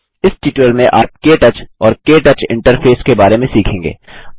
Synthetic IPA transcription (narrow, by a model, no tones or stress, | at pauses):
ɪsʈiːʈəlmẽʔaːp̚keːʈət͡ʃɔːɾkeːʈət͡ʃɪ̰̃ɳʈəɾpʰeːskebaːɾemẽsiːkʰẽːŋɡḛː